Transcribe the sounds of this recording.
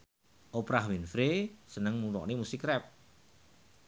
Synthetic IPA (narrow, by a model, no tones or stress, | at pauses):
ʔopɾahwinfɾesənəŋmuɾɔ̰ʔnemusikɾɛp̚